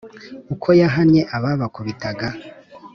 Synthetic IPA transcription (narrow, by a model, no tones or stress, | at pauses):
ukʰo̞jaɦanɲe̞ʔaβaβakuβitaɡa